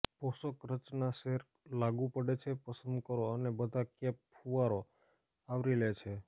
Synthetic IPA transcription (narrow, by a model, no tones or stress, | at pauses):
pɔsəkɾət͡ʃnaseɾ | laɡũpəɽet͡ʃʰepəsənd̪kəɾoənebəd̪ʱakeppʰuʋaɾo | aʋɾilet͡ʃʰe